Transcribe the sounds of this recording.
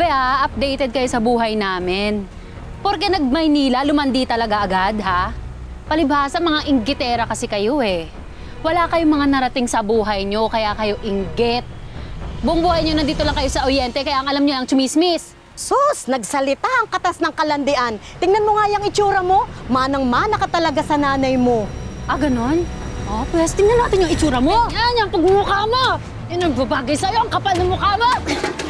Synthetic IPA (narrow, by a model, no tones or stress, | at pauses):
bɐaʔɐp̚d̪ɛjt̪ɛd̪̚kɐjosɐbuːɦɐjnaːmɪn | poɾkɛnɐɡ̚mɐjniːlɐlʊmɐnd̪it̪ɐlɐɡaʔɐɡad̪ɦa | pɐlɪbaːsɐmɐŋaʔɪŋɡɪt̪ɛːɾɐkɐsɛkɐjo̞ʔɛ | wɐlakɐjoŋmɐŋanɐɾɐt̪ɪŋsɐbuːɦɐjɲo̞kɐjakɐjo̞ʔɪŋɡɪt̪̚bʊŋbuːhajɲonɐnd̪iːt̪olɐŋkɐjo̞sɐʔojɛnt̪ɛkɐjaʔɐŋʔɐlamɲoɐŋt͡ʃʊmismɪs | sosnɐɡ̚sɐlɪt̪aʔɐŋkɐt̪asnɐŋkɐlɐnd̪ɪʔant̪ɪŋnɐnmoŋajɐŋɪt͡ʃuːɾɐmo̞manɐŋmanɐkɐt̪ɐlɐɡasɐnaːnɐjmo̞ʔɐɡɐno̞nʔop̪wɛst̪ɪŋnɐnaːt̪ɪɲjʊŋɪt͡ʃuːɾɐmoɲaɲɐŋpɐɡ̚ʊŋʊkaːma | ɛnɐŋbɐbaːɡɐjsɐjoɐŋkɐpalnɐmʊkaːma